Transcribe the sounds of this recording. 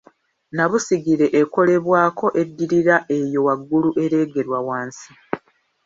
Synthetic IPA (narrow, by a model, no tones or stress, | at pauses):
naβusiɡiɾe̞ʔeko̞le̞βwaːkʰo̞ʔe̞dːiɾiɾaʔe̞jo̞waɡːuluʔe̞ɾe̞ːɡe̞ɾwawaːnsi̥